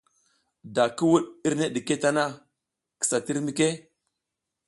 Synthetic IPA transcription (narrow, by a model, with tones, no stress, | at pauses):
da˨ki˦wu˦ɗi˦ɾne˦ɗi˨ke˦ta˦na˦ | ki̥˨sa˨ti˦ɾmi˦ke˦